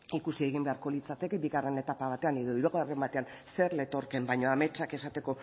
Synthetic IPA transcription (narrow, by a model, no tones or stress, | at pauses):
ikusieɣ̞imbe̞aɾko̞lit͡sat̪e̞kebiɣare̞ne̞t̪apaβ̞at̪eane̞ðo̞iɾuɣoare̞mbat̪e̞an | se̞ɾle̞t̪o̞ɾke̞mbajɲoame̞t͡ʃake̞sat̪e̞ko̞